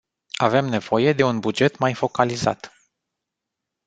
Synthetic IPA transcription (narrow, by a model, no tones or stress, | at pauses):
ave̞mne̞v̥o̞je̞d̪e̞unbud͡ʒe̞t̪majfo̞kaliza̰t̪